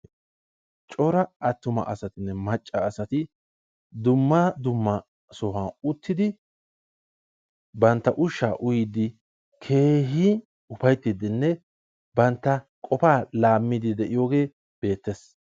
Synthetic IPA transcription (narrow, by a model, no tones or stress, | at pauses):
t͡ʃʼɔɾɐɐt̪ːʊmɐ̰ʔɐsɐt̪ɪnːɛmɐt͡ʃʼːɐːsɐt̪ɪ | d̪ʊmːad̪ʊmːɐ | sɔhaːʊt̪ːɪd̪ɪ | bɐnt̪ːɐʔʊʃːa̰ːʔʊjɪd̪ːɪ | kʰe̞ːɦi | ʊfɐjt̪ːɪd̪ɪnːɛ | bɐnt̪ːɐ | kʼɔpaːlaːmːɪd̪ɪd̪ɛʔɪjoːɡe̞ː | b̥e̞ːt̪ːes